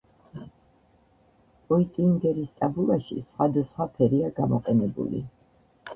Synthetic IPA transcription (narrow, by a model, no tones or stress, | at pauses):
pʼɔit̪ʼiŋɡɛɾist̪ʼabulˠaʃḭsχwad̪asχwapʰɛɾiaɡamɔqʼɛnɛbṵlḭ